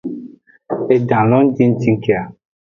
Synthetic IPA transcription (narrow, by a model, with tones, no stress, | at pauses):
e˨dã˨lɔ˦n̩˦di˦n̩˦ti˦ŋ̩˦ke˦˨a˨